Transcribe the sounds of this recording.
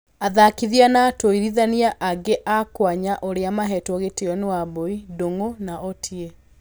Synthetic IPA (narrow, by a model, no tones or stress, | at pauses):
aðakiðianatoiɾiðaniaʔaɡeʔakwaɲaʔoɾeamaɦɛtwɔɣeteɔnewaboidoŋonaɔtʰie